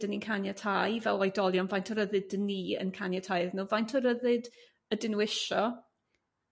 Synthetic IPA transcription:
dəninkʰanjatʰajvɛlˠɔjdɔlˠjɔnvajntʰɔɾəðɨddəniə̰nkʰanjatʰajðnuːvajntʰɔɾəðɨd | ədɪnwɪʃɔ

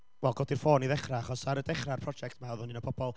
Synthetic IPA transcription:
wɛlˠɡɔdirfoːniðɛχraaχɔsaɾədɛχrarpʰrɔd͡ʒɛk̚tʰmɛwðʊninəpʰɔb̥ɔlˠ

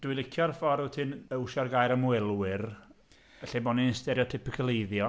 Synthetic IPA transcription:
d̥wɪlˠɪkʰjɔrfɔɾutʰɨnəwʃɔrɡaːjɾəmwɛlˠwɪr | əɬɛbɔnɪnstɛɾjɔtʰɪpɪkʰəlˠejðjɔ

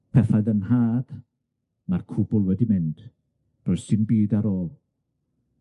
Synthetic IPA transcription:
pʰɛfaðənhaːd̥ | markʰʊbʊlˠwɛdimɪnd̥ | rɔjsɪnbiːdaɾoːlˠ

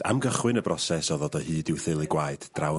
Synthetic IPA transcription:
a̰mɡəχwɨnəbrɔsɛsɔðɔdɔhɨːdɪwθɪlˠɪɡwaɨd̥d̥raw

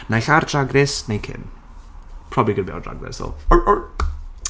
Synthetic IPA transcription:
najɬardraɡrɪsnejkʰɪ̰n | pʰrɔbiɡəbɛ̰ɔ̰dra̰ɡrɪ̰sɔ̰lˠ

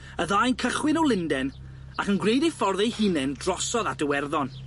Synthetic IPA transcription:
əðajnkʰəχwɪnɔlˠɪndɛn | akənɡrejdɪfɔrðɛhɪnɛndrɔsɔðadəwɛrðɔn

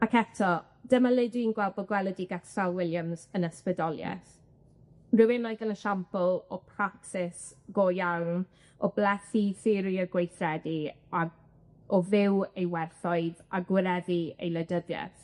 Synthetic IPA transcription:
akʰɛtʰɔ | d̥əmalˠɪdwinɡwɛlˠbɔɡwɛlˠədiɡaksalˠwɪljəmzənəspədɔlˠjɛ̰θ | rɨwɪnɔjðənəʃampəlˠɔpʰraksɪs | ɡ̥oːjawn | ɔblɛθiθɪɾiəɡwejθrɛdi | a | ɔvɪwejwɛrθɔɨðaɡwɪɾɛðiḛjlədəðjɛ̰θ

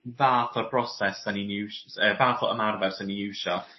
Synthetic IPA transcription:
vaːθɔbrɔsɛsəninuːʃəvaːθɔʔə̰marvɛdsəninjʉːʃɔ

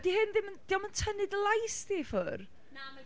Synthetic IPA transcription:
dihɪnðɪmənd̥iaməntʰənɨdlˠajstifʊr

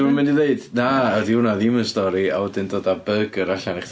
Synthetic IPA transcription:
mɛndiðeɨdnaəðɪwnaðɪmənstɔɾia̰wɛdɪndoːdabəɡəɾaɬanɪχ

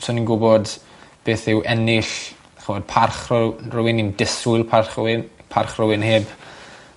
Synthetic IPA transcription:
sʰɔninɡʊbɔd | b̥eːθɪwʔɛnɪɬ | χəvɔd̚pʰarχrrʊwɪnindɪsʊɨlˠpʰarχnpʰarχrʊwɪnheːb

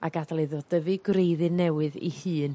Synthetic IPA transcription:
a̰ɡadalˠɨðɔdəvɨɡrejðɨnːɛwɨðḭhɨːn

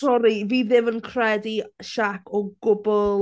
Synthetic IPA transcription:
ɔɾiviːðɪvənkʰrɛdiʃakʰɔɡ̥ʊbʊl

